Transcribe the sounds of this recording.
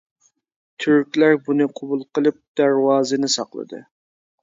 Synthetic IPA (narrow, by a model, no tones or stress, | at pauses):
t̪ʰyɾkʲlæɾbunɨqʰobulˠqəlˠɨp̚d̪̥æɾwɑːzɨnɨsɑ̰qlˠə̰d̪ɨ̰